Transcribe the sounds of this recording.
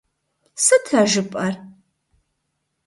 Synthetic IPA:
sɨtʰɐʒɨpʼɐr

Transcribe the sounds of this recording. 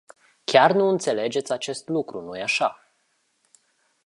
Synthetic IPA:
kʲarnuɨnt̪se̞le̞d͡ʒe̞t̪sʲat͡ʃe̞st̪lukɾunujeaʃa

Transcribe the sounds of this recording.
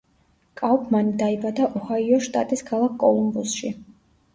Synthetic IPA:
kʼawpʰmanid̪aibad̪aʔɔhaiɔʃt̪ʼa̰t̪ʼiskʰalˠakʰkʼɔlˠumbusʃi

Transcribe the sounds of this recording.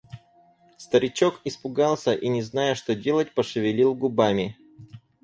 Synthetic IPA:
st̪əɾʲɪt͡ɕo̞kɪspʊɡɑlˠsʲəʔinʲɪznajəʂt̪odʲe̞lˠət̚ʲpəʂɨvʲɪlʲilˠɡʊbamʲɪ

